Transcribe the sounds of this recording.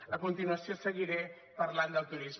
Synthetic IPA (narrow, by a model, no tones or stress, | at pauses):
əkunt̪inuəsijosəɣiɾe | pəɾland̪əlˠt̪uɾiz